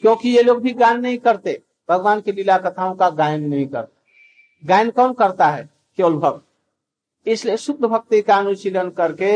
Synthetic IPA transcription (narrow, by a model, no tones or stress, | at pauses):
kjõkijeloːɡ̚bʱiɡajnːəɦĩkəɾt̪e | pɾəɡʋaːnkelilakət̪ʰaõkaɡaɪnːəɦĩkəɾt̪ḁ | ɡãɪnkəmkəɾt̪aɦɛ̰ | keolbʱəɡ | ɪsliesʊd̪ʱəbʱək̚t̪ikaənuʃilənkəɾke